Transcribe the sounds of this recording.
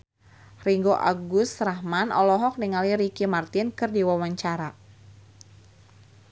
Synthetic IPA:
riŋɡoʔa̰ɡʊst̪rahmanɔlɔɦɔk̚niŋaliɾikimart̪ɪnkɨrdiwawaɲt͡ʃaɾa

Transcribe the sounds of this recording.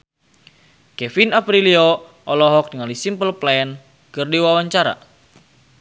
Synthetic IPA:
kɛfinapɾiliɔ | ʔɔlɔɦɔk̚niŋalisimpəlplɛɛn | kɨrdiwawaɲt͡ʃaɾa̰

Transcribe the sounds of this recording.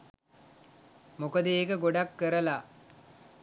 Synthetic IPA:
mokəd̪əeːkəɡoɖakːəɾəla

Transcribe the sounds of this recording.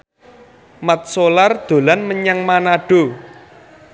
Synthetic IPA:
mat̪̚solard̪̥o̤lanməɲaŋmanaɖ̥o

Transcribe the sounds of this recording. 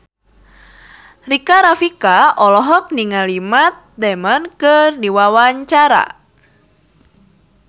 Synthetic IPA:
rikaɾafikaɔlɔɦɔk̚niŋalimat̪̚d̪ɛmənkɨrdiwawaɲt͡ʃaɾa̰

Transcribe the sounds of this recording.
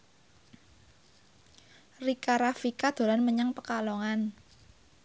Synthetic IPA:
rikaɾafikad̪̥o̤lanməɲaŋpəkalɔŋan

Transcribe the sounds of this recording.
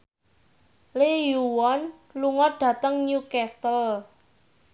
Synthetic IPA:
lejuwɔn | luŋɔɖ̥ä̤t̪əŋnukɛst̪əl

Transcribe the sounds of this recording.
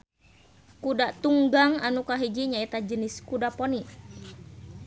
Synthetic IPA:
kudaʔt̪uŋɡaŋanukaɦid͡ʒiɲait̪ad͡ʒəniskudapɔni

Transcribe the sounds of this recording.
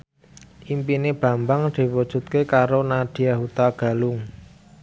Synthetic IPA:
ʔimpineb̥ä̤mbaŋd̪̥i̤wud̥ʒ̥ṳt̪̚kekaɾonad̪̥i̤jahut̪aɡ̥a̤lʊŋ

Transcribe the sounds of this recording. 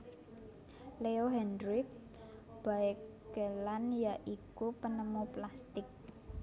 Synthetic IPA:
leoɦɛndɾɪk̚ | b̥aek | ɡəlanjaʔikupənəmuplast̪ɪk̚

